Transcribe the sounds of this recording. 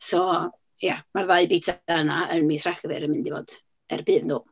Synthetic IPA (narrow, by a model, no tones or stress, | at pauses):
sɔ | jamarðaɨbitʰaənaənmiːθraɡəvɪ̰ɾəmɪndivo̰ːd̥ | ɛ̰rbɨːðnuː